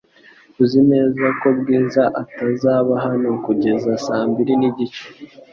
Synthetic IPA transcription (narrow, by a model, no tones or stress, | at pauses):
uzine̞ːzako̞b̚ɡiːzaʔatazaːβaɦanokuɟe̞zasaːmbiɾiniɟit͡ʃe̥